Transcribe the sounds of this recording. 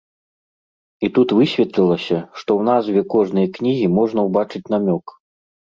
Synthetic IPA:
it̪ut̪vɨsʲvʲɛt̪lʲilˠɐsʲɐʂt̪ɔwnazvʲɛkɔʐnɨjɐknʲiɣʲimɔʐnɐwbat͡ʂɨt͡sʲn̪amʲɔk

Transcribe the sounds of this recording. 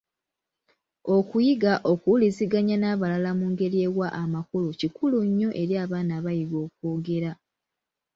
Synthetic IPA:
o̞kujiɡaʔo̞kuliziɡaɲanaːβalalamuːŋɡe̞ɾieːɣwaʔːmakulucikuluɲːo̞ʔe̞ɾiaːβaːnaːβajiɡo̞ːkoːɡe̞ɾa

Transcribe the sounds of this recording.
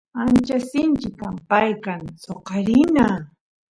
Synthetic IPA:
ant͡ʃasɪnt͡ʃɪkampajkaŋsoqɑɾɪna

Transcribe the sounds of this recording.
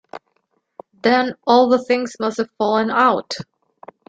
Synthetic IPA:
ðɨ̃nɔlˠðəθɪ̃ŋz̥mʌsthɨv̥fɔlˠə̃naʊt

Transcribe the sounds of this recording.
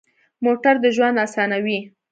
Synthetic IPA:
moʈaɾd̪əʒwand̪asɑnawi

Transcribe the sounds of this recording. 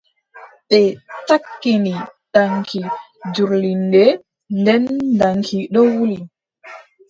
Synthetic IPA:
ɓɛtakːiniɗaŋkʰi | d͡ʒuɾlindɛ | ndɛndaŋkʰiɗɔwuli

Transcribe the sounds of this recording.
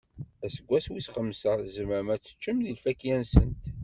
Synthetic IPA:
æsəɡʷːæswisχəmːsəzəmæmæt͡sːə̥t͡ʃːəmðilfækjænsənt̪

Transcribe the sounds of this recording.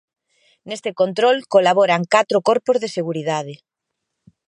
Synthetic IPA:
nest̪ekont̪ɾolkolaβ̞oɾaŋkat̪ɾokoɾpozðeseɣ̞uɾiðaðe

